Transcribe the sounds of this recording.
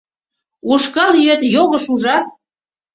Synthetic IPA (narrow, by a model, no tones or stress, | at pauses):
uʃkɑljøt̪joɣə̆ʃuʒɑt̪